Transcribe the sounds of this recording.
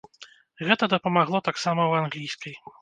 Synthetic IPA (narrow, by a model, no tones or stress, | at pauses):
ɣɛt̪ɐd̪ɐpɐmaɣlˠɔt̪aksamɐwanɣlʲijskɐj